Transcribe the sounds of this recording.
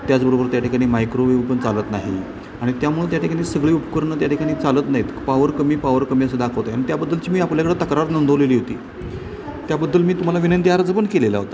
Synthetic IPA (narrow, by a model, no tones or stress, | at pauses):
t̪jat͡sbəɾobəɾt̪jaʈʰikaɽ̃iːmajkɾoʋeʋpəɳt͡salət̪naɦi | aɽ̃it̪jam̤uɽuːnt̪jaʈʰikaɽ̃iːsəɡɭiːupkəɾɳət̪jaʈʰikaɽ̃iːt͡salət̪naɦit̪əpaʋəɾkəmiːpaʋəɾkəmiːəsed̪akʰəʋt̪ejaɽ̃it̪jabəd̪ːəlt͡ɕiːmiːapljakəɽət̪əkɾat̪nənd̪əʋleliːɦot̪iː | t̪jabəd̪ːəlmiːt̪um̤alaʋinənt̪iaɾd͡zəpəɳkelela̰ɦot̪a